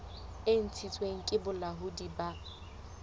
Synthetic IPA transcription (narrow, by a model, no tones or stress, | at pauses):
ɪn̩t͡sʰit͡sʼweŋ̩kʼɪbʊlaɦudiba